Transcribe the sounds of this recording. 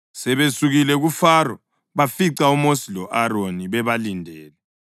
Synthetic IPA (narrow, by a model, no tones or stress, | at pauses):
sɛβesuɣilɛɣufaːrɔ̰ | βafiǀaumosilɔʔaɾoniβɛβalindʱɛːlɛ